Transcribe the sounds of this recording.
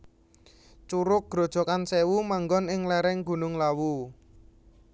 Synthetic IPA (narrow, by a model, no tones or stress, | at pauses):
t͡ʃuɾʊk̚ɡ̥ɾo̤d̥ʒ̥ɔ̤kansewumaŋɡɔnɪŋlɛɾɪŋɡ̥ṳnʊŋlawu